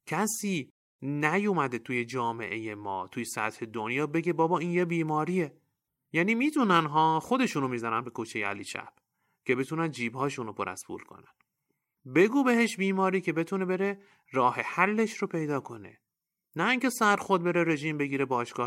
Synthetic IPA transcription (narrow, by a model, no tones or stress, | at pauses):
cʰæsiː | næjumæd̪et̪ʰuːje̞d͡ʒɒːme̞̰ʔe̞jemɒ̰ːt̪ʰuːjesæ̰t̪he̞d̪onjɒːbe̞ɟebɒːbɒːiːnjebiːmɒːɾiːe | jæːniːmiːt̪ʰunænɦɒːxo̞d̪e̞ʃuːnomiːzænænbe̞kʰut͡ʃʰejeæ̰liʃæ̰b̥ | cʰe̞be̞t̪ʰuːnænd̪d͡ʒiːbhɒːʃuːnopʰo̞ɾæ̰zpʰṵːlkʰo̞̰næn | be̞ɡuːbe̞ɦeʃbiːmɒːɾiːcʰe̞be̞t̪ʰune̞be̞ɾe | ɾɒːhe̞hælːe̞ʃɾopʰe̞jd̪ɒːkʰo̞ne̞̰ | næiːŋce̞sæɾxo̞d̪̚be̞ɾeɾe̞ʒiːmbe̞ɟiːɾebɒːʃɡ̥ɒːh